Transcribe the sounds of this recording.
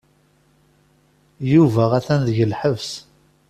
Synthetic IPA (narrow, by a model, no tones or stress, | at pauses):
juvæʁæθænðəʝəlħəvs